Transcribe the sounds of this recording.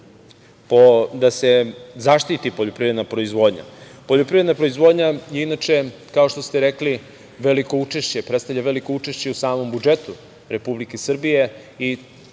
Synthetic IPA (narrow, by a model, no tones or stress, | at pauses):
pod̪ase̞zaʃt̪it̪ipoʎo̞pɾivɾed̪napɾo̞izʋo̞ːd̪ɲa̰po̞ʎo̞pɾivɾed̪napɾoizʋo̞d̪ɲajeinat͡ʃe̞kao̞ʃt̪o̞st̪eɾekli | ʋe̞likout͡ʂeʃt͡ɕe̞pɾet̪st̪avʎʲaʋeliko̞ut͡ʂeʃt͡ɕe̞usaːmo̞mbud͡ʒe̞t̪u | ɾe̞publikesr̩bije̞ | i